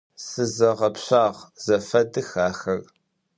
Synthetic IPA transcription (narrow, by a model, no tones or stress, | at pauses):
sɨzɐʁɐpɕaːʁz̥ɐfɐdɨxaːxɐr